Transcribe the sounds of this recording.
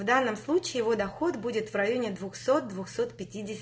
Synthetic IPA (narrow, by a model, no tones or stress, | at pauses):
vd̪anːəmslˠut͡ɕɪːjɪvo̞d̪ɐxo̞t̪budʲɪt̪vɾɐjo̞nʲɪd̪vʊxso̞t̪̚d̪vʊxso̞t̪pʲɪtʲidʲɪsʲ